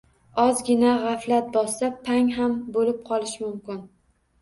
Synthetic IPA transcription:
ɒzɡʲɪnaʁaflat̪̚bɒsapʰaŋɦambolɪp̚qʰɒlˠɪʃmʊmkʲɪn

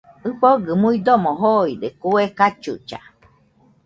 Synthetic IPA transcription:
ɨɸoɡɨmuid̪omoɦoid̪ekuekat͡ʃṵt͡ʃa̰

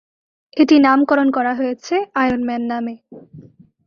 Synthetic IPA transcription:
eʈinamkɔɾonkɔɾaɦojet͡ɕʰeajonmɛnːame

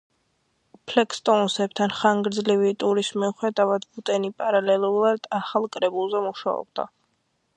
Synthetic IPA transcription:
pʰlɛkʰst̪ʼɔnsɛb̚t̪ʰanχaŋɡɾd̪zlivit̪ʼuɾismiuχɛd̪avad̪but̪ʼɛnipʼaɾalɛlˠuɾad̪̥aχalˠkʼɾɛbulˠzɛmuʃa̰ɔ̰b̚d̪a̰

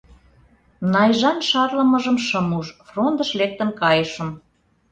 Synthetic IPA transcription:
nɑjʒɑnʃɑrləməʒəmʃəmuʃfrond̪əʃlek̚t̪ə̆nkɑjəʃə̆m

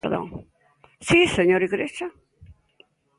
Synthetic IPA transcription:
ɾðɐ̰̃w̃ | sĩseɲoɾiɣɾeʒɐ

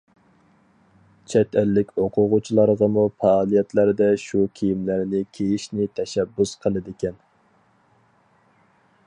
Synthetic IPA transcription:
t͡ʃʰɛt̪ʰælːɪkʲoqʰʊʁʊt͡ʃʰilˠɑɾʁɑmufɑːlˠijɛt̪læɾd̪ɛʃukʲʰijimlæɾnɪkʲʰejiʃnɪt̪ʰɛʃɛbːusqʰəlˠɨd̪ɪkʲɛn

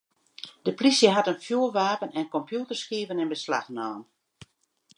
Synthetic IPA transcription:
d̥əplisjəɦatənfjuːəlʋaːpənɛnkɔmpjutərskiːvənɪnbəsla̰xnɔːn

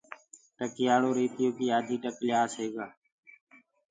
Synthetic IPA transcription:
ʈəkɪjaːɽoːɾeːt̪ɪjoːkiːaːd̪ʱiːʈəklɪjaːseːɡaː

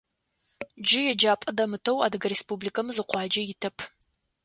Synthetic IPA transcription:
d͡ʒɪjɛd͡ʒaːpʼɐdɐmɨtʰɐwa̰ːdɐɡɐɾespublikʰɐmɨzɨqʷɑːd͡ʒɐjɪtʰɐpʰ

